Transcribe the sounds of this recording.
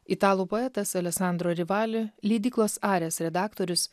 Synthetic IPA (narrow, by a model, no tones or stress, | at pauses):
ɪt̪ɑːlˠuːpoːɛt̪ɐsɐlʲɛksɑˑnd̪ɾoːɾʲɪʋɑːlʲʊlʲiːd̪ʲiːklˠoːsɑːɾʲeːsɾʲɛd̪ɑːkt̪oːɾʲʊs